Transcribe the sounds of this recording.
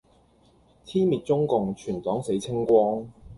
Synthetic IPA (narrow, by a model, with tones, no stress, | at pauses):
t̪ʰiː˥nmiː˨t̚t͡sʊ˥ŋkʊ˨˧ŋt͡ʃʰyː˨˩nt̪ɔː˨˥ŋse˨˥jt͡sʰɪ˥ŋkʷɔː˥ŋ